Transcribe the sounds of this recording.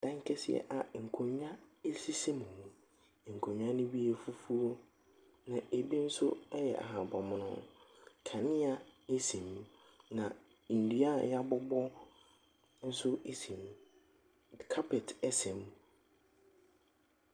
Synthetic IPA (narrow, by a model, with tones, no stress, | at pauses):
d̥ã˦ŋ˦kʰɛ˦sɪ̰˦ɛ̰˦˨ʔa˨ŋ̩˨kʰõ˨ɲ˦ã˦e˦si˦se˦mũ˨ũ˨ | ŋ̩˨kʰõ˨ɲᶣ˦ã˦nʊ̃˦bi˦e˨fu˦fu˦o˦ | nã˨e˨bi˦n̩˦sʊ˦ɛ˦jɛ̰˨ʔa̰˨ɦã˨bɔ˨m̃˨nʊ̰̃˦kʰa˨nɪ̃˦a˨e˦sĩ˨m | nã˨ | n̩˨dɥa˦˨ja˦bɔ˦bɔ˦ | n̩˦sʊ˦e˦sĩ˨m˨ | kʰa˦pʰɛ˨tɛ˦sɛ̃˨m